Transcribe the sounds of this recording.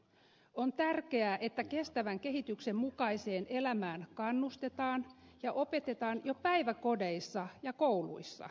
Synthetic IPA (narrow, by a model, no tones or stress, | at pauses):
o̞nt̪ærke̞æʔe̞t̪ːæke̞st̪æʋæŋke̞ɦit̪ykse̞mmukɑise̞ːnʔelæmæːnkɑnːust̪e̞t̪ɑːnjɑʔope̞t̪e̞t̪ɑːnjopæjʋæko̞deisːɑjɑkoulṵisːɑ̰